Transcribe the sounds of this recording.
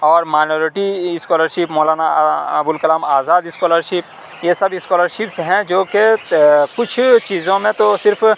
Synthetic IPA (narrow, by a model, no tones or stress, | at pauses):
ɔːɾmaːnoːɾɪʈiɪskɔːləɾʃipmɔːlaːnaɐbʊlkɐlaːmaːzaːd̪ɪskɔːləɾʃɪp̚ | jesɐbɪskɔːləɾʃɪpsɦɛ̃d͡ʒoːkekʊt͡ʃʰt͡ʃiːzõmẽt̪osɪɾfʰ